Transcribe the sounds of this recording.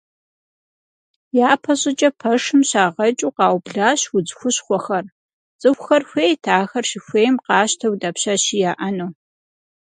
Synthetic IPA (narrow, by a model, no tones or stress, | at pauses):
jaːpʰɐɕʼɪt͡ʃʼɐpʰɐʂɨmɕaːʁɐt͡ʃʼuːqɑːwbɮaːɕwʊd͡zxʷʊɕχʷɔxɐr | t͡sʼɨxʷxɐrxʷeːjtʰaːxɐrʃɪxʷeːjmqɑːɕtʰɐwdaːpɕaɕijaːʔɐnuː